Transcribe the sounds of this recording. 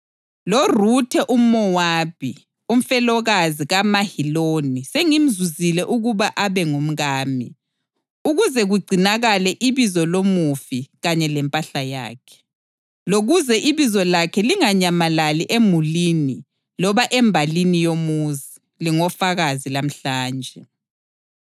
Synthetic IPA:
lorutʰɛʔumɔwaːpʰi | um̩fɛlɔɣaziɣamahiloniseŋim̩zuzilɛʔuɣuβaʔaβɛŋum̩ɣaːmḭ | uɣuzɛɣuɡ͡ǀʱinaɣalɛʔiβizɔlomufiɣaɲɛlɛmpʼaɬaja̰ːkʰɛ̥ | loɣuzɛʔiβizɔlakʰɛliŋaɲamalaliʔemulini | lɔβaʔɛmbʱalinijomuzi | liŋɔfaɣazilam̩ɬaːnd͡ʒʱɛ

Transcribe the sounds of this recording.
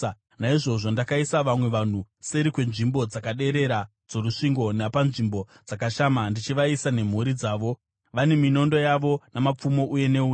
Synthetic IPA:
naiʐo̞ʐo̞ndakaisaʋamwe̞ʋan̤use̞ɾikwe̞nʐimbo̞d͡zakaɗe̞ɾe̞ɾa | d͡zo̞ɾuʂiŋɡo̞napanʐimbo̞ | d͡zakaʃaːmandit͡ʃiʋaisane̞m̤uɾid͡zaːʋo̞ | ʋane̞mino̞ndo̞jaʋo̞namap͡fumo̞ʔuje̞ne̞uː

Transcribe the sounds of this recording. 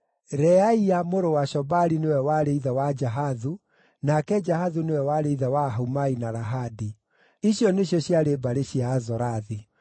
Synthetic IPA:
ɾɛaiamoɾowaʃɔbaɾinewɛwaɾeiðawad͡ʒaɦaðu | nakɛd͡ʒaɦaðunewɛwaɾeiðawaɦumainaɾaɦadi | iɕjɔneɕjɔɕjaɾebaɾeɕiaːzɔɾaði

